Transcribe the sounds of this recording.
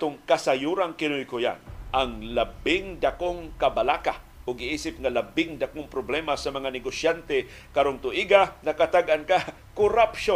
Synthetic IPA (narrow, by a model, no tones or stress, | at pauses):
t̪ʊŋkasajuɾaŋkɪnojkoja̰nʔaŋlabɪŋd̪akoŋkɐbalaka | ʔʊɡɪʔiːsɪpŋalabɪŋd̪akoŋpɾoblɛmasɐmɐŋanɛɡosjant̪ɛ | kaɾoŋt̪ʊʔiɡanɐkat̪aɡʔanka | kʊɾapʃo